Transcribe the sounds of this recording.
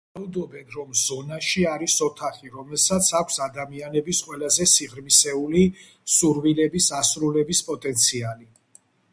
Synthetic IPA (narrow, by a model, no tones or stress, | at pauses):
aud̪ɔbɛnɾɔmzɔnaʃiaɾisɔt̪ʰaχiɾɔmɛlˠsat̪sʰakʷʰsad̪amianɛbisqʼwɛlazɛsiʁɾmisɛuli | suɾwilɛbisasɾulɛbispʼɔt̪ʼɛnt̪sʰiali